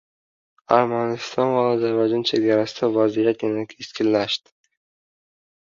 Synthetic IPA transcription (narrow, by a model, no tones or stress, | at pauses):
aɾmanɪst̪ʰɒnvaɒzaɾvɒd͡ʒɒnt͡ʃʰe̞ɡʲaɾasɪd̪avazijat̪̚jɪnakʲʰɪskʲɪnlːaʃd̪ɪ̥